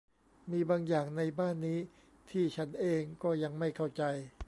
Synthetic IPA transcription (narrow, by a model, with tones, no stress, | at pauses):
miː˧baː˧ŋjaː˨˩ŋna˧jbaː˥˩nːiː˦˥ | t̪ʰiː˥˩t͡ɕʰa˦˥nʔeː˧ŋkɔː˥˩ja˧ŋma˥˩jkʰa˥˩wt͡ɕa˧j